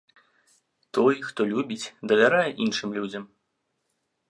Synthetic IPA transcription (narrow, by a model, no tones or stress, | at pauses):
t̪ɔjxt̪ɔlʲubʲit͡sʲd̪ɐvʲaɾajɛʔinʂɨmlʲud͡zʲɐm